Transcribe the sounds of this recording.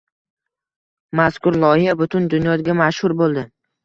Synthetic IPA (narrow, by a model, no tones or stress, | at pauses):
maskʊɾlˠɒhɪjabʊt̪ʰʊnd̪ʊnjɒd̪ɡʲamaʃhʊɾbolˠd̪ɪ